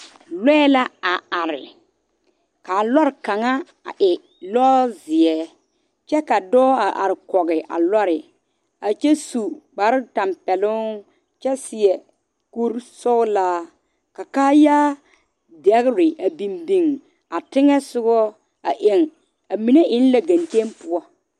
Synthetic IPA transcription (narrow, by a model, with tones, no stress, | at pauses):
lɛː˦la˦a˨a˨ɾɪ̰˨ | ka˨lɔ˦ɾka˨ŋa˦ | a̰˨ʔɪ˨ | lɔː˦zɪ˨ɛ˦ | t͡ʃɛ˦ka˨dɔː˦a˨ʔa̰˨ɾɪ˨kɔ˨ɣɪ˨ʔa̰˨lɔ˦ɾɪ˨ | a˨t͡ʃɛ˦su˨k͡pa˨˦ɾɪ˦ta˨mpɛ˨lʊ˦ | t͡ʃɛ˦sɪ˨ɛ˨ | ko˦ɾsɔ˦laː˦ | ka˨kaː˦jaː˦ | dɛ˨˦ɣɾɪ˨ʔa˨bi˨mbi˨ŋ | a˨tɪ˦ŋɛ˦sʊ˦ɡɔ˦ | a˨ʔe˨ŋ | a˨mi˨ne˦ʔɪ˦n˦la˦ɡa˨nt͡ʃe˦npʊ˦ɔ˦